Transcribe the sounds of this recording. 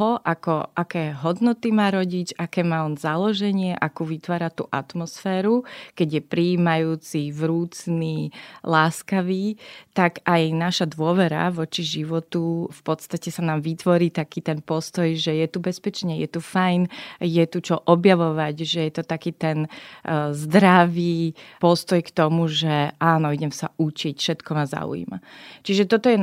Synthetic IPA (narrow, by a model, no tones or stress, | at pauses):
ɦɔʔakɔʔakɛːɦɔd̪nɔt̪imaːɾɔɟit͡ʃakɛːmaːɔnzalɔʒɛɲɪɛʔakuːʋit̪ʋaːɾat̪ṵːʔa̰t̪mɔsfɛːɾukɛɟjɛpɾiiːmajuːt͡sivɾuːt͡sniːlaːskaʋiːt̪akajnaʃad̪ʋʊɔʋɛɾa̰ʋɔt͡ʃiʒiʋɔt̪ufpɔt̪st̪acɛsanaːmʋit̪ʋɔɾiːt̪akiːt̪ɛnpɔst̪ɔjʒɛjɛt̪ubɛspɛt͡ʃɲɛjɛt̪ufajnjɛt̪ut͡ʃɔʔɔbjaʋɔʋaɟʒɛjɛt̪ɔt̪akiːt̪ɛn | zd̪ɾaʋiːpɔst̪ɔjkt̪ɔmuʒɛaːnɔiɟɛmsaʔut͡ʃicfʃɛt̪kɔmaza̰ṵḭma̰t͡ʃiʒɛt̪ɔt̪ɔjɛ